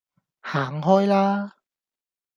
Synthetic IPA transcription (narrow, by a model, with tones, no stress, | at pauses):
haː˨˩˦ŋɦɔː˥jlaː˥